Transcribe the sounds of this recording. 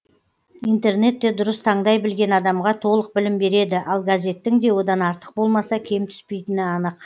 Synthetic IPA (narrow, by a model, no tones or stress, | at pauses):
ijnt̪e̞ɾne̞t̪ːe̞d̪ʊɾəst̪ʰɑɴd̪ɑjbɪlɡʲe̞nɑd̪ɑmʁɑt̪ʰo̞lˠəq̚bɪlɪmbe̞ɾe̞d̪ɪʔɑlˠɡazʲe̞t̪ːɪŋd̪e̞wo̞d̪ɑnɑɾt̪ə̥q̚bo̞lˠmɑsɑkʲʰe̞mt̪ʰʏ̥spe̞jt̪ɪnɪɑnəq